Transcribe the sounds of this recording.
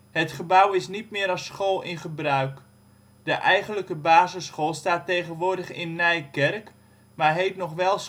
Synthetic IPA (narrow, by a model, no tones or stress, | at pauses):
hətχəbawɪsnitmɪːɾɑɔsχoːlˠɪnχəbrœɥk | dəʔɛjɣənləkəbaːzəsχoːlˠstaːtejχənʋʊːdəχɪ̰nːɛjkɛrk | marɦeːtnɔχʋɛlˠs